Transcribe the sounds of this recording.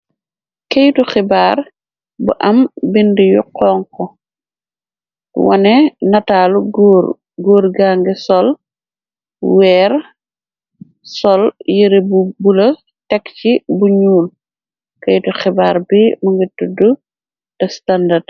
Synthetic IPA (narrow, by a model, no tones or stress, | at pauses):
kejtuxɛbaɾ | bṵʔɐmbindijuqɔːŋkɔ | wɐ̰nɛnɐtaːluɡɾ | ɡɔːɾɡaːŋɡɛsɔl | wɛːɾ | sɔljəɾebubulɐ | tɛkcibuɲuːn | kɛjtuxɛbaːɾbimuŋɡitːudu | dɐstandad